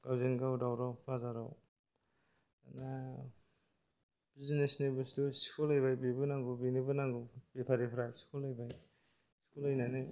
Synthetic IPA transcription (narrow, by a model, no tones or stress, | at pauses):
ɡ̥awzenɡawdawɾawpʰazaɾaw | ana | bizinesnebusdusi̥kʰulajbajbibɯnaŋɡubinibɯnaŋɡubepʰaɾipʰɾajsi̥kʰulajbaj | skulajnanɯ